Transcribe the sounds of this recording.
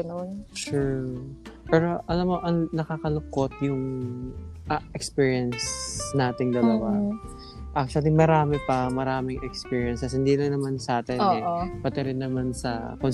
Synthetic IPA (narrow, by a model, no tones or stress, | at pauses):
ɐnonʃʊ | pɛɾoʔɐlamːo̞ʔɐŋnɐkakɐlʊkot̪̚jʊŋ | ʔɐʔɛkspiːɹijɐnsnaːt̪ɪŋd̪ɐlɐwa | ʔak̚ʃɐlɪmɐɾaːmɛpɐmɐɾaːmɪŋʔɛkspiːɹjɐnsɐshɪnd̪ilɐŋnɐmansɐʔaːt̪ɪnoɛopɐt̪ɛɾɪnːɐmansɐ̰kon